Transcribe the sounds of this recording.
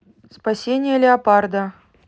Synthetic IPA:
spasʲenʲɪjəlʲɪɐpard̪ə

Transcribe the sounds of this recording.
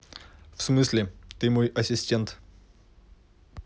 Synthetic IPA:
fsmɨsʲlʲɪt̪ɨmojɐsʲɪsʲtʲent̪

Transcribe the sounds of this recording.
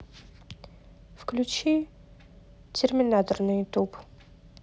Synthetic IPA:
fklʲut͡ɕi | tʲʰɪrmʲɪnat̪ornɨt̪up

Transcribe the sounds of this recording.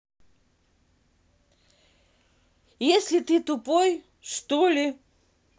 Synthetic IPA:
jesʲlʲɪt̪ɨt̪ʊpoj | ʂt̪olʲɪ

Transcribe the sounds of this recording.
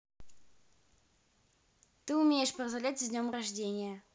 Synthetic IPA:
t̪ɨumʲejʂpɐrzɐlʲætʲɪzʲnʲomrɐʐdʲenʲɪjə

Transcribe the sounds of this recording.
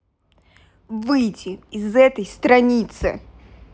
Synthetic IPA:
vɨjtʲɪɪzɛt̪əjst̪ɾɐnʲit̪sɨ̰

